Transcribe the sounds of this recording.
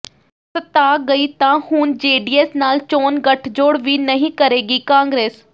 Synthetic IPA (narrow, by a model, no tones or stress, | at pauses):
sət̪aːɡəiːt̪ãːhund͡ʒeːɖiːeːsnaːlt͡ʃoːnɡəʈʰd͡ʒoːɽʋiːnəɦĩːkəɾeːɡiːkãːŋɡɾeːs